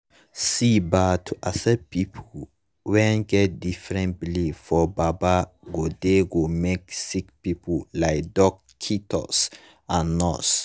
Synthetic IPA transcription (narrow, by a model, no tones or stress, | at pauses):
sibatʰuʔasɛpipʰu | wɛ̃nɡɛt̚difɹɛ̃ntbilivfɔbaba | ɡodeɡomeksikpipulaɪk̚dɔkʰːitʰɔ̰s | ãnːɔs